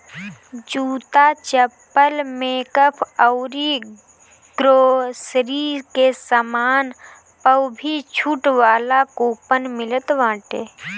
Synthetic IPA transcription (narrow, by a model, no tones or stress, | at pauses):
d͡ʒuːt̪at͡ʃəpːəlmẽkəpʰəʊɾi | ɡ̥ɾoːsɾikesəmaːn | pəwbʱit͡ʃʰuʈʋaːlakoːpənmɪlət̪ʋãːʈeː